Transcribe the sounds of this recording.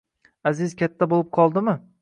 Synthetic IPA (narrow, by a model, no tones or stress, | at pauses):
azɪzkʲʰat̪ʰːabolˠɪp̚qʰɒlˠd̪ɪmɪ